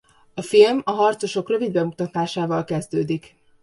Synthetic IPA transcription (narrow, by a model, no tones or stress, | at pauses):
ɒfilmɒɦɒrt̪so̞ʃo̞krø̞vid̪̚bɛmut̪ɒt̪aːʃaːvɒlkɛzd̪øːd̪ik